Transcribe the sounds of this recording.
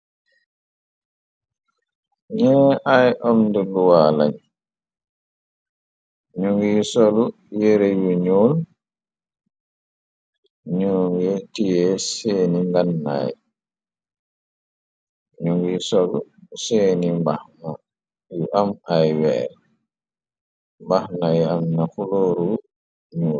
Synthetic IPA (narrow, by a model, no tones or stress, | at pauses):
ɲɛːʔajʔɔmndɛluwaːla̰ɲ | ɲuŋɡiːsolu | jɛɾɛjuɲoːl | ɲoːŋɡɛtijɛseːniŋɡanːa̰j | ɲoŋɡisolṵseːnimbahna | juʔamajwɛ̰ːɾɛ | mbahnajɛamnafuloːɾu | ɲoːl